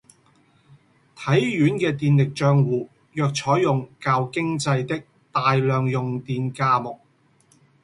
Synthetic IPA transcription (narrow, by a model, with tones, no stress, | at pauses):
t̪ʰɐ˨˥jɥyː˨˥nkɛː˧t̪iː˧nlɪ˨k̚t͡ʃœː˧ŋwuː˨ | jœː˨k̚t͡ʃʰɔː˨˥jːʊ˨ŋkaː˧wkɪ˥ŋt͡sɐ˧jt̪ɪ˥k̚ | t̪aː˨jlœː˨ŋjʊ˨ŋt̪iː˧nkaː˧mʊ˨k̚